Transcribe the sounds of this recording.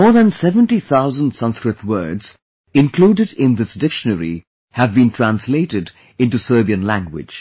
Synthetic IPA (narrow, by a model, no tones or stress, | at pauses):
mɔːɹðæ̃nsɛvə̃ntiθʰaʊzə̃ndsʌ̃nskɹɨt̪wɜː˞dz̥ | ɪ̃nkluːɖɨɾɪ̃nd̪ɪsdɪkʃənəɾḭ | hævbĩːntʰɹæ̃nsleɪʈɪd | ɪ̃nʈusɜːbiə̃nlæ̃ŋɡwɪ̰̥d͡ʒ